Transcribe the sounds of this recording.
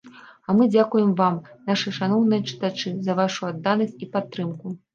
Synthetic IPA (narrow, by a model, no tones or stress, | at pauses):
ɐmɨd͡zʲakujɛmvamnaʂɨʂanɔwnɨjɐt͡ʂɨ̥t̪at͡ʂɨzɐvaʂuad̪ːanɐsʲt͡sʲipat̪ːɾɨmku